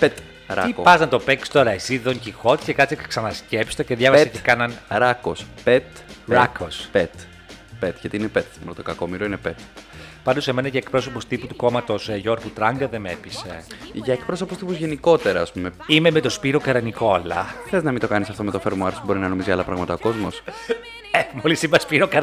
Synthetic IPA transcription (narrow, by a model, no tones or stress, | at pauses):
pet̪ | ɾɐiopɐznɐt̪o̞pe̞kst̪o̞ɾɐesiðo̞ɲcixo̞t̪i̥scekɐt͡siksɐnɐscepsi̥t̪oceðʝɐvɐsɐcekɐnɐnɾɐkospet̪ | ɾɐkospet̪ | pet̪ʝɐt̪iinepet̪mɾt̪okɐkomiɾoinepet̪pɐnd̪use̞menɐʝɐek̚pɾo̞s̬o̞post̪iput̪u̥ko̞mɐt̪o̞sʝo̞ɾɣut̪ɾɐŋɡɐðe̞mepiseʝɐekpɾo̞so̞post̪ipuzʝe̞niko̞t̪e̞ɾɐːspumeimemet̪o̞spiɾo̞kɐɾɐniko̞ɐlɐ̰xɾeɐznɐmint̪o̞kɐnisɐft̪o̞me̞t̪ofeɾmoɐɾsubo̞ɾinɐnomizʝɐlɐpɾɐɣmɐt̪ɐoko̞zmos | emolisimespiɾokɐɾ